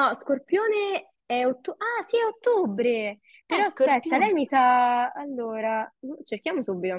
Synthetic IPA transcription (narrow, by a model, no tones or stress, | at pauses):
nɔskorpjoːne | ɛot̪ːoasiɛot̪ːobɾe | peɾɔspɛt̪ːalɛjmisaːlːoːɾat͡ʃerk̟jaːmosubːit̪o